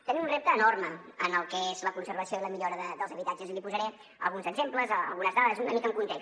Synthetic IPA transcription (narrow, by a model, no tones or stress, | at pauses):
t̪ənimunrep̚t̪əːnorməənəlˠkɛezləkunsəɾβəsioiləmiʎoɾəðəd̪əlˠzəβit̪ad͡ʒəzilipuzəɾɛ | ə̰lˠɣunzəɡzempləzəlˠɣunəzðaðəzunəmikəŋkunt̪ek